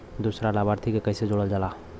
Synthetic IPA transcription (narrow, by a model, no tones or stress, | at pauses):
d̪uːsɾalaːbaːɾt̪ʰikekɐːsed͡ʒoːɽəld͡ʒala